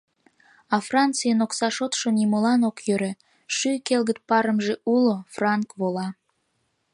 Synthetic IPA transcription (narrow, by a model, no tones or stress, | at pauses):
ɑfrɑnt͡sɨjənoksɑʃot̪ʃonimolɑnokjøɾe | ʃykelɣət̪̚pɑɾəmʒeulofrɑŋkβolɑ